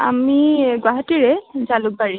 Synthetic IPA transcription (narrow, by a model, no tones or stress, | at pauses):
a̰miɡwaɦatiɹɛzaluk̚baɹi